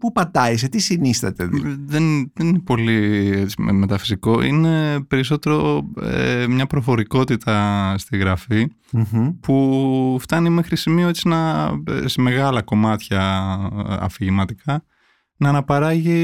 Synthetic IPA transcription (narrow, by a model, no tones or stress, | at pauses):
pupɐt̪ɐiset̪isinist̪ɐ̰t̪eððenðeninepo̞liet͡ssi̥me̞t̪ɐfi̥siko̞ʔḭne̞pe̞ɾis̬o̞t̪e̞ɾo̞ḛmɲɐpɾo̞fo̞ɾiko̞t̪it̪ɐst̪iɣɾɐfi | puft̪ɐnimexɾisimio̞et͡sinɐ̰sme̞ɣɐlɐko̞mɐt̪çɐ | ɐ̰fiʝimɐt̪ikɐ | nɐːnɐpɐɾɐʝi